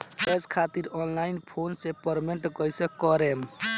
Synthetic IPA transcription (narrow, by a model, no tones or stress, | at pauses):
eskʰat̪iɾɔnlainpʰonsepəɾmeɳʈkɔjsẽkɔɾem